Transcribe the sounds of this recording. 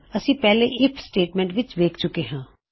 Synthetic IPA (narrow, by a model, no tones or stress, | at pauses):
əsĩːpɛːleʔɪpʰsʈeːʈmɛ̃ːɳʈʋɪt͡ʃʋeːkʰt͡ʃʊkeɦãː